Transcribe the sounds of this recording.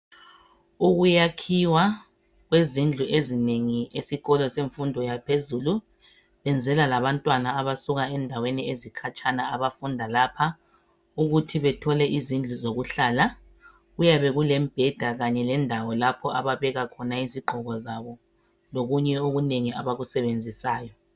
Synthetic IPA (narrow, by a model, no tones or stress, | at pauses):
uɣujakʰiwa | ɣwezind͡ɮʱuʔezineŋiesiɣɔlɔseɱfundʱɔjapʰezulu | βɛnd͡zʱɛlalaβantʼwanaːβasuɣaɛndʱaweniezikʰat͡ʃʰʼanaaβafundʱalapʰa | uɣutʰiβɛtʰɔlɛʔizind͡ɮʱuzoɣuɬala | ɣujaβɛɣulɛm̩b̥ʱɛd̥ʱaɣaɲɛlɛndʱawɔlapʰɔʔa̰βaβɛɣakʰɔnaiziɡ͡ǃʱɔɣɔzaβɔ | loɣuɲɛoɣuneŋia̰βaɣusɛβend͡zʱisaːjɔ